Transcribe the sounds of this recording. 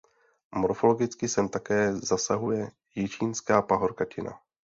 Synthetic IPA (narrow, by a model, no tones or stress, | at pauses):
moɾfo̞lo̞ɡɪt͡skɪsɛmt̪akɛːzasaɦujɛ | jɪt͡ʃiːnskaːpaɦo̞ɾkacɪna̰